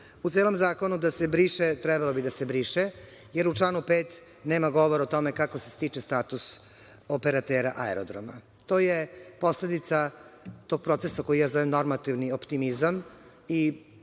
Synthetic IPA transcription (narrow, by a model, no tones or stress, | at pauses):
ut̪eːlo̞mzaːko̞nud̪ase̞bɾiːʃet̪ɾɛbalobid̪ase̞bɾiːʃe | jeɾut͡ʃlˠaːnupeːt̪ | ne̞ːmaɡo̞ʋoɾot̪o̞mekakose̥st̪iːt͡ʃest̪aːt̪us | opeɾat̪eːɾaʔaḛɾod̪ɾo̰ma̰ | t̪oːjepo̞sle̞d̪it̪sat̪o̞ːɡ̚pɾot̪sesako̞jijaːzoʋemno̞ɾmat̪iʋniopt̪imizam | i